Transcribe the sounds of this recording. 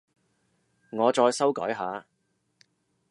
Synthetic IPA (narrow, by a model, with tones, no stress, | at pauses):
ŋɔː˨˧t͡ʃɔː˧jsɐ˥wkɔː˨˥jɦaː˨˧